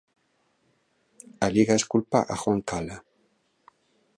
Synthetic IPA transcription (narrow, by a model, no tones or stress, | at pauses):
aliɣaeskulpa̰ʔaxwaŋkala